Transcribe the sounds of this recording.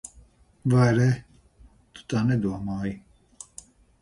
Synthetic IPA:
vaɾɛ | t̪ʼu̥t̪ʼanɛd̪uamaːi

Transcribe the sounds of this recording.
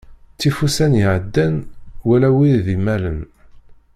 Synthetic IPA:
t͡sːifusænjəʕəd̪ːænwælæwiðimælən

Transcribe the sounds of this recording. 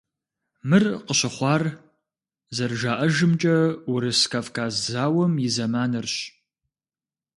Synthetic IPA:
mɨrqəɕɪχʷɑːr | zɐrʒaːʔɐʒɨmt͡ʃʼɐwʊɾɨskʰafkʰaːzzaːwɐmjɪzɐmaːnɨrɕ

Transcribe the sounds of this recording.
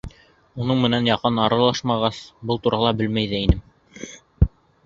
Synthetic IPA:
unɤɴmɘ̆nænjɑqɤnɑɾɑlˠɑʃmɑʁɑsbɤlˠt̪uɾɑlˠɑbɘlmæjðɘinɘm

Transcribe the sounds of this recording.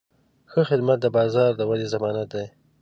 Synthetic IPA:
xəxɪd̪mat̪̚d̪əbɑzɑɾd̪əwalezamɑnat̪̚d̪aj

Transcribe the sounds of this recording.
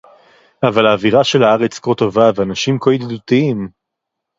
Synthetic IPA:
avalaːviʁaʃe̞lhaaʁet͡skot̪ovaveanaʃimkojid̪d̪utiim

